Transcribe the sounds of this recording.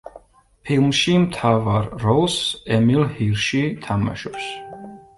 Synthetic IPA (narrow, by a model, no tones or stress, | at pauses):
pʰilˠmʃimt̪ʰavaɾːɔlˠsɛmilˠhiɾʃit̪ʰama̰ʃɔps